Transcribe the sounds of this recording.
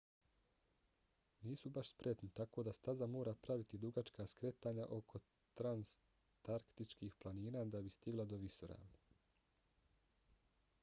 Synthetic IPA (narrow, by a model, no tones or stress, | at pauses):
niːsubaʃspɾe̞t̪nit̪ako̞ːd̪ast̪azamo̞ːɾaːpɾaʋit̪id̪uɡat͡ʃkaːskɾet̪aːɲa̰ʔo̞kʰo̞ | t̪ɾans | t̪aɾkt̪it͡ʃkiːxplˠaniːnaːd̪abist̪iɡlˠad̪o̞ʋisoɾa̰ːm